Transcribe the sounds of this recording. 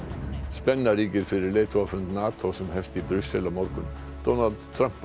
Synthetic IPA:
spɛnːɑɾɪɡəɾfœɾəleːt̪ʰʊɑfənt̪nɑːt̪ʰɔsɔmhɛft̪ibɾʏsəlɔmɔɾkʊn | d̪̥ɔnald̪t̪ʰːɾœmp

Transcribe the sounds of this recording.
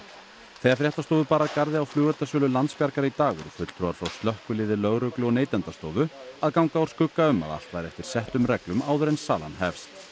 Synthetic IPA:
θejafɾjɛht̪ast̪oːðʏpaːɾaðkaɾðɪawflʏːɣœɾt̪asœːlʏlant̪spjaɾkaɾɪit̪aːɣʏ̰ɾfʏt̪t̪ʰɾowaɾfɾawst̪lœhkʏlɪːðɪlœɣɾœklʏɔneːjt̪ɛnt̪ast̪oːwðʏaðkawŋkawɾ̥skʏkːaʏma̰ða̰l̥t̪vajɾɛft̪ɪɾ̥sɛht̪ʏmrɛklʏmaːwðʏɾɛnsa̰ːla̰nɦɛfst̪

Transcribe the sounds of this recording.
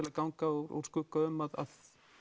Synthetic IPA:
ɪlakawŋkaowɾo̰wɾ̥skʏkaʏmːaða̰ð

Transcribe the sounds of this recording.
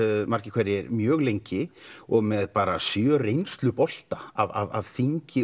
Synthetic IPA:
mar̥cɪkʰvɛɾɪɛɾmjœːɣlejɲcɪɔɣmɛðpaːɾasjœrejnst̪lʏpɔl̥t̪aava̰va̰vθiɲcɪ

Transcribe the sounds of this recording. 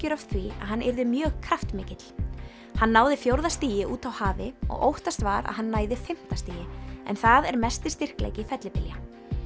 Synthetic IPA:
cɪɾɔft̪θvia̰ðɦanːɛɾðɪmjœːɣkʰɾaft̪mɪːcɪt̪l | hanːaːwðɪfjowɾðast̪iːjɪʔuːt̪awhaːvɪɔ̰ɣo̰wht̪ast̪vaːɾa̰ðɦanːaːjðɪfɪm̥t̪ast̪iːjɪɛ̰nθaðɛɾmɛst̪ɪst̪ɪr̥klḛːjcɪfɛt̪lɪpɪlja

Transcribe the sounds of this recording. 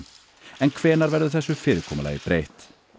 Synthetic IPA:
ɛnkʰvɛːnaɾvɛɾðʏθɛsːʏfɪːɾɪkʰɔma̰la̰ɪ̰bɾeːjht̪

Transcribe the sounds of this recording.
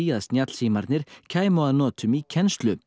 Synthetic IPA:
iːaðsnjat̪lsiːmaɾd̪nɪɾcʰaːjmoanɔːt̪ʰʏmicʰɛnst̪lʏ

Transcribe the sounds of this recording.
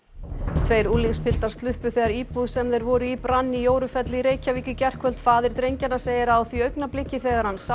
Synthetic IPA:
t̪ʰveːjɾuːliŋspʰɪl̥t̪aɾ̥st̪lʏhpʏθɛːɣaɾiːpuðsɛmðejɾvɔɾʏipɾanːijoːwɾʏfɛt̪lɪɾeːjcaviːcʏcɛr̥kʰvœl̥t̪faːðɪɾ̥t̪ɾejɲcanaseːjɪɾaːwθviœɥknaplɪcːɪθɛːɣaɾ̥hanːsa

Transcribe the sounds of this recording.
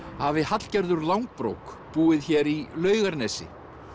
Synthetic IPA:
havɪhat̪l̥cɛɾðʏɾlawŋk̚pɾo̰ːwk | puːɪðçɛɾilœːɥɣaɾnɛsɪ̰

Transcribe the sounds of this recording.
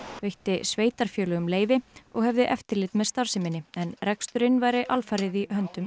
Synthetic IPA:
vejht̪ɪsveːjt̪aɾ̥fjœːlʏɣʏmleːjvɪɔɣhɛvðɪʔɛft̪ɪɾlɪt̪mɛðst̪aɾ̥sɪmɪnːɪɛnrɛkst̪ʏɾɪnvaːjɾɪʔalfaɾɪðihœnt̪ʏm

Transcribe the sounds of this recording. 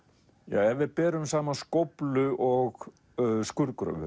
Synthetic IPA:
ja̰ːɛvɪðpɛːɾʏmsaːmaskowplʏʔɔɣ | skʏɾkɾœ̰ːɣʏ

